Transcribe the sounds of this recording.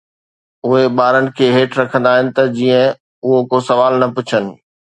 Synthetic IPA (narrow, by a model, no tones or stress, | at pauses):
ʊɦeɓaːɾənɪ̆kʰeːɦeːʈɾɐkʰə̃nd̪aːɦɪnɪ̆t̪ɐd͡ʑiːə̃ | ʊɦokosɐʋaːlnɐpʊt͡ɕʰənɪ̆